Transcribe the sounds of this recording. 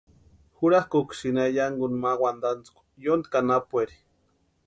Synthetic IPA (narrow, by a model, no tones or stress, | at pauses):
xuɾahkokʷʃinajaŋɡunmawand̪ant͡skʷ | jond̪kanapueɾi̥